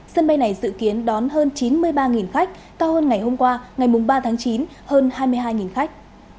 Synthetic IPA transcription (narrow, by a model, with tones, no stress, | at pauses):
sə˧nɓa˧jna˨˩jzɨ̰˧˨ki˨˦ənɗɔ˨˦nhəː˧nt͡ɕi˨˦nmɨ˧əjɓaː˧ŋi˨˩nxa˦˥k̚ | kaː˧whəː˧nŋa˨˩jho˧mkwaː˧ŋa˨˩jmʊ˨˩ŋ͡mɓaː˧t̪ʰaː˨˦ŋt͡ɕi˨˦n | həː˧nhaː˧jmɨ˧əjɦaː˧jŋi˨˩nxa˦˥k̚